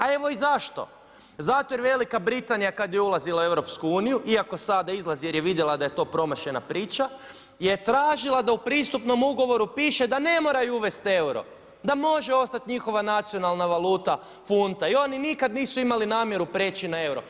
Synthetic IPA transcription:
ae̞ʋo̞izaʃt̪o̞̰ | zat̪ojeʋe̞likabɾit̪anijakad̪jeulˠazilˠaue̞wɾo̞pskuuːnijuʔiako̞sad̪aizlˠazije̞ɾje̞ʋid̪jelˠad̪aje̞t̪o̞ːpɾo̞maʃe̞na̰pɾiːt͡ʃa | jet̪ɾaːʒilˠad̪aupɾiːst̪upno̞muɡo̞ʋo̞ɾupiːʃe̞d̪ane̞mo̞ːɾajuuʋe̞st̪e̞wɾo̞̰ | d̪amo̞ʒeo̞st̪at̪ɲixo̞ʋanat̪sio̞nalˠnaʋalˠuːt̪a | funt̪aio̞ninikad̪niːsuimalinaːmje̞ɾupɾe̞ːt͡ʃinae̞wɾo̞̰

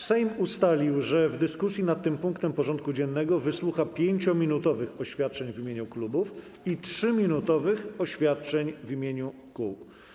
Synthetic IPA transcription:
sɛjmust̪alʲiwʐɛvd̪ɘskusʲjinat̪t̪ːɘmpuŋkt̪ɛmpɔʐɔnt̪̚kud͡ʑɛnːɛɡɔvɘswuxapʲjeɲt͡ɕɔmʲinut̪ɔvɘxɔɕfʲjat̪̚t͡ʂɛɲvʲimʲeɲuklubuf | itʂɘmʲinut̪ɔvɘxɔɕfʲjat̪̚t͡ʂɛɲvimʲjeɲu | ku

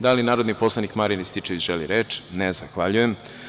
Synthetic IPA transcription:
d̪alinaːɾod̪nipo̞slˠanikmaɾinist̪it͡ʃeʋiʒ̥eliɾeːt͡ʃnezaxʋaʎujem

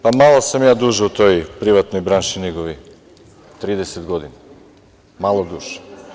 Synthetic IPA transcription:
pamalˠosamjaːd̪uʒɛut̪ojpɾiʋat̪nojbɾanʃiniɡoʋi | t̪ɾid̪esed̪ɡod̪ina | malˠod̪uʒ̥

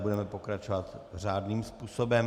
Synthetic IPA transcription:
budɛmɛpo̞kɾat͡ʃovat̪r̝aːdniːmspuːsobɛm

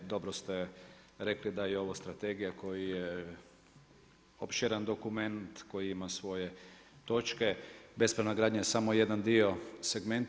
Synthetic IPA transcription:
d̪o̞bɾost̪e | ɾe̞klid̪ajeo̞ʋost̪ɾat̪eɡijako̞jije | opʃeɾand̪o̞kume̞nt̪ko̞jiimasʋo̞je | t̪o̞t͡ʃkebe̞spɾaʋnaɡɾaːd̪ɲajesamo̞je̞d̪and̪io̞seɡme̞nt̪

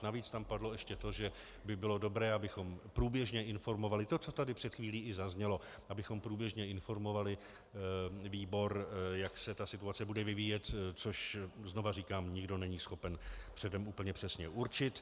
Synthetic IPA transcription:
naviːt͡st̪ampadlo̞ɛʃcɛt̪o̞ʒɛ | bɪbɪlo̞do̞bɾɛːabɪxo̞mpɾuːbjɛʒɲɛʔɪnfo̞ɾmo̞valɪt̪o̞t͡so̞t̪adɪpr̥ɛt̪xviːliːɪzazɲɛlo̞ | ʔabɪxo̞mpɾuːbjɛʒɲɛɪnfo̞ɾmo̞valɪ | viːbo̞ɾjaksɛt̪asɪt̪uat͡sɛbudɛvɪviːjɛt̪t͡soʃzno̞variːkaːmɲɪɡdo̞nɛɲiːsxo̞pɛnpr̥ɛdɛmʔuːpl̩ɲɛpr̥ɛsɲɛʔuɾt͡ʃɪt̪

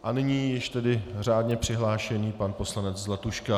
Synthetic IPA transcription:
ʔanɪɲiːjɪʃt̪ɛdɪr̝aːdɲɛpr̝̥ɪɦlaːʃɛniːpanpo̞slanɛt͡szlat̪uʃka

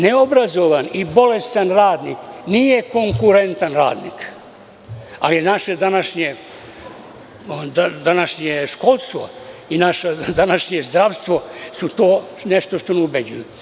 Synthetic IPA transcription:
neobɾazo̞ʋanibo̞le̞st̪anɾaːd̪niːknije̞ko̞ŋkuɾe̞nt̪anɾa̰ːd̪nḭːk | a̰linaʃed̪anaʃɲe | d̪ad̪anaʃɲeʃkolˠst̪ʋo̞̰inaʃad̪anaʃɲezd̪ɾaʋst̪ʋo̞sut̪o̞ːneʃt̪o̞ʃt̪o̞neubed͡ʑuju

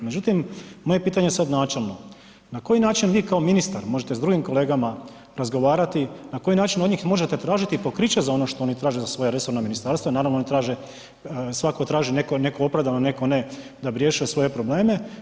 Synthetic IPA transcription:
med͡ʑut̪imːo̞je̞piːt̪aɲesad̪naːt͡ʃelˠno̞ | nako̞jinaːt͡ʃinʋiːkaominist̪aɾmo̞ʒet̪ezd̪ɾuɡimko̞le̞ːɡama | ɾazɡo̞ʋaːɾat̪inako̞jinaːt͡ʃinod̪ɲiːxmo̞ʒet̪et̪ɾaːʒit̪ipo̞kɾit͡ɕezao̞no̞ʃt̪oonit̪ɾaːʒezasʋo̞jaɾe̞so̞ɾnaminist̪aɾst̪ʋanaːɾaʋnoonit̪ɾaːʒe | sʋakot̪ɾaːʒinekone̞koopɾaʋd̪anone̞ko̞ne | d̪abiɾje̞ʃujesʋo̞jepɾo̞ble̞ːme̞

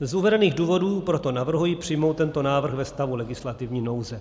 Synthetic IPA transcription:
zuvɛdɛniːɣduːvo̞duːpɾo̞t̪o̞navr̩ɦujipr̝̥ɪjmo̞wt̪ːɛnt̪o̞naːvr̩xvɛst̪avulɛɡɪslat̪ɪvɲiːno̞wzɛ

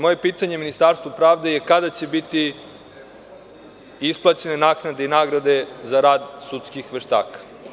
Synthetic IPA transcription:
moje̞piːt̪aɲe̞minist̪aːɾst̪ʋupɾaːʋd̪e̞jekad̪at͡ɕe̞bit̪i | isplˠat͡ɕe̞ne̞naːknad̪einaːɡɾad̪e̞zaɾaːd̪sut̪skixʋeʃt̪a̰ːkḁ

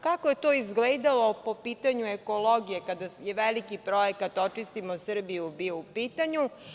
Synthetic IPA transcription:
kakoje̞t̪oːizɡleːd̪alo̞popiːt̪aɲueko̞lˠoɡijekad̪ajeʋelikipɾo̞jekat̪o̞t͡ʃist̪imosr̩bijubiːpiːt̪aɲu

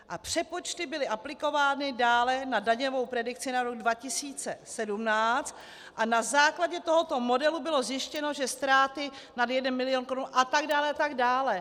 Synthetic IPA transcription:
ʔapr̝̥ɛpo̞t͡ʃt̪ɪbɪlɪʔaplɪko̞vaːnɪdaːlɛnadaɲɛvo̞wpɾɛdɪk̚t͡sɪnaɾo̞ɡ̚dvacɪsiːt͡sɛsɛdumnaːt͡st̪ | ʔanazaːklaɟɛt̪oɦot̪o̞mo̞dɛlubɪlo̞zjɪʃcɛno̞ʒɛst̪ɾaːt̪ɪ | nadjɛdɛnmɪlɪjonkoɾunʔat̪aɡdaːlɛat̪aɡdaːlɛ

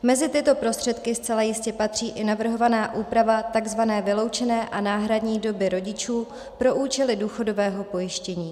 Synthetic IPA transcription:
mɛzɪt̪ɪt̪o̞pɾo̞st̪r̥ɛt̪kɪst͡sɛlajɪscɛpat̪r̝̥iːʔɪnavr̩ɦo̞vanaːʔuːpɾavat̪aɡzvanɛːvɪlo̞wt͡ʃɛnɛːʔanaːɦɾadɲiːdo̞bɪɾo̞ɟɪt͡ʃuː | pɾo̞ʔuːt͡ʃɛlɪduːxo̞do̞vɛːɦo̞po̞jɪʃcɛɲiː

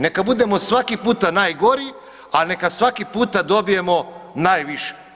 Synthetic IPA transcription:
ne̞kabud̪e̞mosʋakipuːt̪anajɡo̞ɾi | alne̞kasʋakipuːt̪ad̪o̞bije̞mo̞najʋiʃe̥

